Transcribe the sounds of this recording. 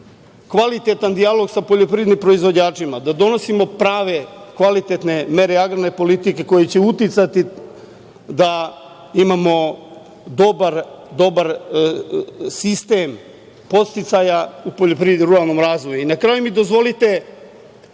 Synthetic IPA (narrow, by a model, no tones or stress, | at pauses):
kʋalit̪e̞t̪and̪ialˠo̞ɡsapoʎo̞pɾid̪nimpɾo̞izʋo̞d͡ʑaːt͡ʂimad̪ad̪o̞no̞simo̞pɾaːʋe̞kʋalit̪et̪ne̞me̞ɾeaɡɾane̞po̞lit̪ike̞ko̞jet͡ɕe̞ut̪it̪sat̪i | d̪a | imamo̞ | d̪o̞baɾ | d̪o̞baɾ | sist̪em | po̞t̪st̪it̪sajaupoʎopɾid̪iɾuɾalˠno̞mɾaːzʋo̞juinakɾaːjumid̪ozʋo̞lit̪e̞